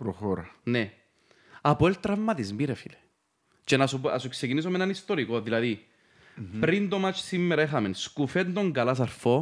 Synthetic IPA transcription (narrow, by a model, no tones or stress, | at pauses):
pɾoxoɾɐne | ɐpoelt̪ɾɐvmɐt̪izmiɾefile | t͡ʃenɐsupɐsukse̞cinis̬omenɐnist̪oɾikoðilɐði | pɾind̪omat͡ʃsimːeɾɐexɐmenskufend̪oŋɡɐlɐs̬ɐɾfo̞